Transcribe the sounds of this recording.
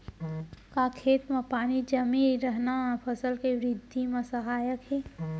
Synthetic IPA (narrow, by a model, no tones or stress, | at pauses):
kakʰeːt̪mãpaːnid͡ʒəmiɾəɦnamãpʰəsəlkeʋɾɪd̪ʱːimãsəɦaːjəkɦeː